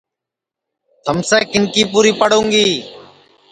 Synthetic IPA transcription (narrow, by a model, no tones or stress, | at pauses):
t̪ʰəmseːkɪnkiːpuːɾiːpəɽõːŋɡiː